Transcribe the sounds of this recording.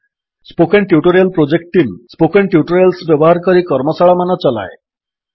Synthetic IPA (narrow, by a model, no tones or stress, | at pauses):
spokeɳʈjuʈɔɾijalpɾod͡ʑek̚ʈʈimspokeɳʈjuʈɔɾjalsbjɔbɔɦaɾkɔɾikɔɾmɔsaɭamanat͡ɕɔla̰e